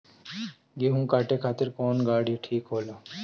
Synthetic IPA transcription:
ɡeːɦũkaːʈekʰaːt̪ɪɾkoːnɡaːɽiʈʰiːkɦoːlaː

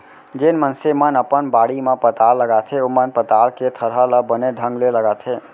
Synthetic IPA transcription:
d͡ʒenmənsemənəpənbaɽimẽpət̪alːəɡat̪ʰɦeomənpət̪alket̪ʰəɾɦələbəneɖʱə̃ŋɡleləɡat̪ʰɦe

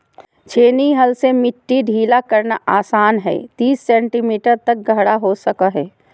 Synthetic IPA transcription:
t͡ʃʰeːniɦɐlsemɪʈːiɖʱiːlakɐɾnaʔaːsaːnɦɛ̰ːt̪iːsːɛ̃ːɳʈimiːʈəɾt̪ɐk̚ɡʱəɦɽaɦosɐkaɦɛː

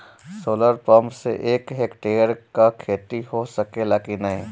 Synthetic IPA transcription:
soːləɾpɔːmsḛʔeːkɦekʈeːəɾkakʰeːt̪iɦosɐkelakinɐɦĩː

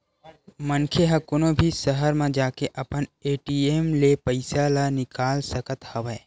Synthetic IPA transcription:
mənkʰeɦəkʊnobʱisəɦəɾmẽd͡ʒaːkeʔɐpəneːʈieːmlepəɪsalanɪkaːlsəkət̪həʋɛː

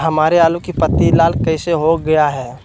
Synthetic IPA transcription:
ɦɐmaːɾeaːlũkipɐt̪ːilaːlkɐɪseɦoɡɐjaɦɛː

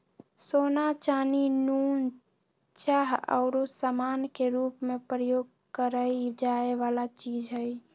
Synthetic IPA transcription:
sonat͡ʃaninun | t͡ʃaɦə̰ʊɾosamankeɾupmepɾəjoːɡ̚ | kəɾəid͡ʒaeʋalat͡ʃid͡ʒɦəj

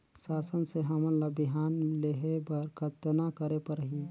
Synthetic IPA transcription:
sasənseɦəmənlabiɦanleɦebəɾkʰət̪nakəɾepəɾɦi

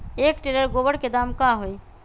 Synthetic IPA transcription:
ekʈeləɾɡobəɽked̪amkaɦoj

